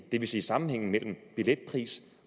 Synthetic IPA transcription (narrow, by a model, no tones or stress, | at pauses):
d̥e̝ʋe̝siːsɑ̈mn̩heŋ̰n̩mel̰m̩b̥iled̥̚pʰʁḭːs